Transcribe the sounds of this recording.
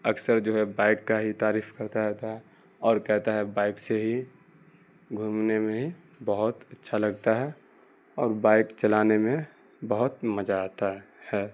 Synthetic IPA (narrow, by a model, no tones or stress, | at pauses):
ɐksəɾd͡ʒoːɦɛbaːɪkːaɦit̪aːɾiːfkɐɾt̪aɾɛːt̪aɦɛ | ɔːɾkɛɦt̪aɦɛbaːɪkseɦi | ɡʱuːmnemẽɦi | bəɦʊt̪ɐtːʃʰalɐɡ̚t̪aɦɛ | ɔːɾbaːɪkt͡ʃɐlaːnemẽ | bəɦʊt̪mɐd͡ʒaːt̪a | hɛː